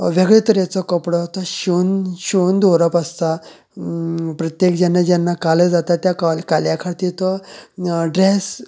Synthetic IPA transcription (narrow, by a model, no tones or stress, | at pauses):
ʋeɡɭet̪əɾjat͡sɔkəpɽɔɦt̪ɔɕunɕund̪ʱoɾəpəst̪a | pɾət̪jekd͡ʑanːad͡ʑjanːakaləd͡zat̪at̪jakalkaljakʰat̪iɾt̪ɔ | ɖɾes